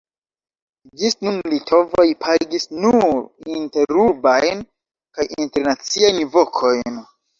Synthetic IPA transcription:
d͡ʒisnunlitʰo̞vojpʰaɡisnuɾinte̞ɾubajn | kajinte̞ɾnat͡siajnvo̞kʰo̞jn

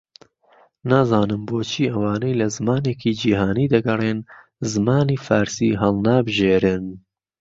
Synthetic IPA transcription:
naːzɑːnɨmboːt͡ʃʰiːʔɐwaːnejlɐzɨmaːneːkiːd͡ʒiːɦaːniːd̪ɐɡɐreːn | zɨmaːniːfaːɾsiːɦɐlnaːbɨʒeːɾɨn

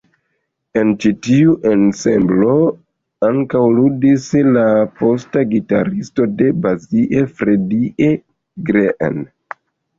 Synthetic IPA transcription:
e̞nt͡ʃitiuʔe̞nse̞mblo̞ | aŋkawludislapo̞staɡita̰ɾisto̞de̞baziʔe̞fɾe̞diʔe | ɡɾeʔḛn

